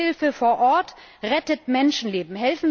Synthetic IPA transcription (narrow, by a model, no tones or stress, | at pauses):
ɪlfəfoːɐʔɔɐt | ʁɛtətmɛnʃn̩leːbm̩ɦɛlfn̩